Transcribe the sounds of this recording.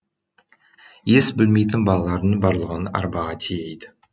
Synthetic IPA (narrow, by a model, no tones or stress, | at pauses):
jesbɪlme̞jt̪ɪnbɑlˠɑlˠɑɾd̪ənbɑɾlˠəʁənɑ̰ɾbɑʁɑt̪ʰijejd̪ɪ